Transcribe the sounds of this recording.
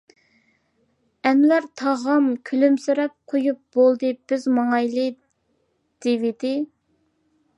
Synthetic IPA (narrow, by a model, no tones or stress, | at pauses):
ɛmlæɾt̪ʰɑʁɑmkʲʰylymsɪɾɛp̚qʰojup̚b̥olˠd̪ɨb̥ɪzmɑŋɑjlˠɨ | d̪̥evɪd̪ɪ